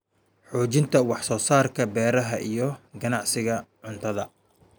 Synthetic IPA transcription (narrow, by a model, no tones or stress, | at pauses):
ħɔːt͡ʃɪnt̪ʰɐwɑħsɔːsaːrkʰɐbɛːɾɐɦɐʔijɞɡɐnɑʕsɪɣɐʕʊnt̪ʰɐðɐ